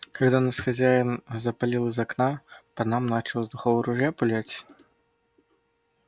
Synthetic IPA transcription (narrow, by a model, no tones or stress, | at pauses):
kaɣd̪anɐsxazʲajɛnzɐpalʲilˠɐzaknapɐnamnat͡ʂɨlˠzd̪uxɔwɾuʐjapulʲat͡sʲ